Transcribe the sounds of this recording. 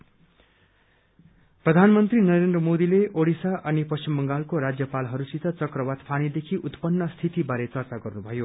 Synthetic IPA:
prʌd̪ʱanmʌnt̪rinʌɾend̪rʌmod̪ileʔoɽisaʔʌnipʌst͡ɕimbʌŋɡalkoɾad͡zjʌpalɦʌɾusit̪ʰʌt͡sʌkrʌwat̪pʰanid̪ekʰiʔut̪pʌnːʌst̪ʰit̪ibaɾet͡sʌrt͡saɡʌrnubʱʌjo

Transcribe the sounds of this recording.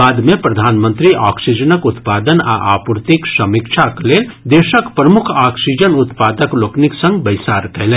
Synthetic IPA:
aːd̪mẽpɾɐd̪ʱaːnmə̃nt̪ɾiʔaːksid͡ʒənəkʊt̪paːd̪əna̰ʔaːpɾt̪iksɐmikʃʰakleːld̪eːʃəkpɾɐmʊkʰaːksid͡ʒənʊt̪paːd̪əkloːkniksə̃ŋɡbɐɪsaːɾkɛɦlẽ

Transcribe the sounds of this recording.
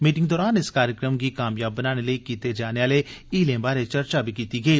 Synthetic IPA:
miːʈɪ̃ŋɡd̪ɔːɾaːnɪskaːɾjəkɾəmkikaːmjaːbːənaːneləikiːt̪ed͡ʒaːneaːleiːlẽːbaːɾet͡ʃəɾt͡ʃabʱikiːt̪iɡəiː

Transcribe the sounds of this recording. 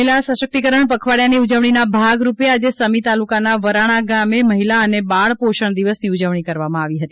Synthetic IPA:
ilasəʃək̚t̪ikəɾəɳpəkʰʋaɽjaniud͡ʒəʋɳ̃inabʱaɡɾupjead͡ʒesəmit̪alukanaʋəɾaɽ̃aɡameməɦilaənebaɭpoʃəɳ̃d̪iʋəsniud͡ʒəʋɳ̃ikəɾʋamãaʋiɦət̪i

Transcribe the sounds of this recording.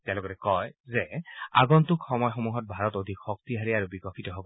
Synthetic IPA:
tɛãlɔɡɔtɛkɔjzɛa̰ɡɔntukxɔmɔjxomuɦɔt̚bʱaɹɔtodʱikxɔk̚tiɦaɹiaɹubikɔkʰitɔɦobɔ

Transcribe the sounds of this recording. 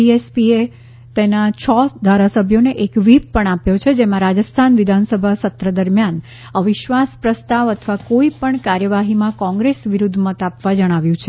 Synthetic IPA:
iespie | t̪enat͡ʃʰɔd̪ʱaɾasəbʱjoneʔekʋippəɳ̃apjot͡ʃʰed͡ʒemãɾad͡ʒəst̪ʰanʋɪd̪ʱansəbʱasət̪ɾəd̪əɾmjan | əʋɪʃʋaspɾəst̪aʋət̪ʰʋakoipəɳkaɾjəʋaɦimãkɔ̃ŋɡɾesʋiɾud̪ʱmət̪apʋad͡ʒəɽ̃aʋjũt͡ʃʰe

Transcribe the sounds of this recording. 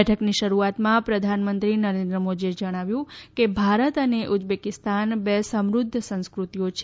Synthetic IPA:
ɛʈʰəkniʃəɾuat̪mãpɾəd̪ʱanmənt̪ɾinəɾend̪ɾəmod͡ʒ̪ied͡ʒəɽ̃aʋjũkebʱaɾət̪əneʔud͡ʒbekɪst̪anbesəmɾʊd̪ʱːəsə̃ñskɾut̪ijot͡ʃʰ

